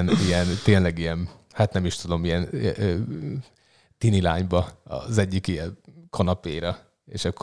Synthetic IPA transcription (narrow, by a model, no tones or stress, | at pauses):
nijɛnt̪eːnlɛɡijɛn | hat̪nɛmiʃt̪ud̪o̞mijɛnø | t̪inila̰ːɲbɒɒ̰zɛɟːikijɛnkʰonɒpeːɾɒ | ḛːʃɒkː